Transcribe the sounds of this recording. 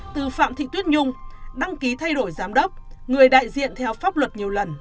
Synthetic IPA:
t̪ɨ˨˩fa̰ː˧˨mt̪ḭ˧˨t̪wi˦˥t̚ɲʊ˧ŋ͡mɗa˧ŋki˨˦t̪ʰa˧jɗo˧˩jzaː˨˦mɗə˦˥p̚ŋɨ˨˩əjɗa̰ː˧˨jzḭ˧˨ənt̪ʰɛ˧wfaː˦˥p̚lwə˨˩t̚ɲi˨˩əwlə˨˩n

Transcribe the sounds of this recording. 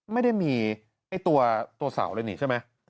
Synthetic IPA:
ma˥˩jda˥˩jmiː˧ | ʔa˥˩jt̪u˧ɐt̪u˧ɐsa̰˩˦wlɤː˧niː˨˦a˥˩jma˦˥j

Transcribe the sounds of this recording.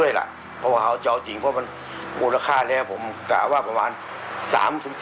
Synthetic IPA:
əjla̰˧˩ʔ | pʰɔ˧waː˧˩ha˧˥˩wt͡ɕɔ˧˩wt͡ɕi˨˦ŋpʰɔ˧˩ma˧n | muː˧˩tla˧kʰaː˥˩lɛː˦˥˩wpʰo˨˩˦mka̰ː˧˩waː˥˩pʰa˧maː˧n | sa̰ː˩˦msʰɯ˨˦

